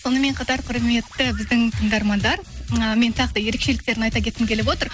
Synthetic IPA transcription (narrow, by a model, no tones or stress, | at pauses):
so̞nəme̞ɴqʰɑt̪ɑɾqʰʊɾme̞t̪ːɪbɪzd̪ɪŋt̪ʰəŋd̪ɑɾmɑnd̪ɑɾəme̞nt̪ʰɑqt̪ɑje̞ɾe̞kʃe̞lɪk̚t̪e̞ɾɪnɑjt̪ɑkʲe̞t̪ːɪmkʲʰe̞lɪpwo̞t̪əɾ